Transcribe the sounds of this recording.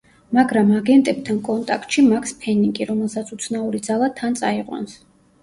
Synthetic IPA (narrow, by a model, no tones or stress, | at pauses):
maɡɾamaɡɛnt̪ʼɛb̚t̪ʰankʼɔnt̪ʼa̰kʰt̪ʼʃimakʰspʰɛniŋɡʼiɾɔmɛlˠsat̪sʰut̪sʰnauɾid̪zalˠat̪ʰant̪sʼaiqʼwa̰ns